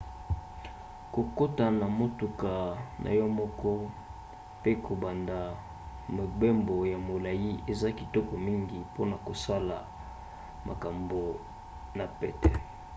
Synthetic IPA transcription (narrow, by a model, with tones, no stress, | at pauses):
ko˨ko˦ta˨na˨mo˦tu˨ka˨nʔa̰˨jɔ˦mɔ˦kɔ˦ | pe˦kʰo˨ba˨nda˨ | mo˨be˦mbo˨ja˨mo˨la˨ji˦ʔe˨za˦ki˨tɔ˦kɔ˨mi˦ŋɡi˨po˦na˨ko˨sa˦la˨ | mʔa̰˨ka˨mbo˨ | na˨pɛ̰˦tɛ˨